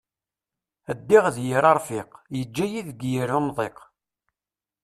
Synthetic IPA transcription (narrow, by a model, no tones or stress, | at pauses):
əd̪ːɪʁðjiɾˤɑɾˤfɪqjəd͡ʒːæjiðɡjiɾumðˤeq